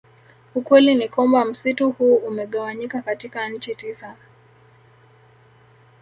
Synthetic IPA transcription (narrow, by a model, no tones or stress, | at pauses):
ukwɛlinikwambam̩situhuːumɛɠawaɲikakatikan̩t͡ʃitisa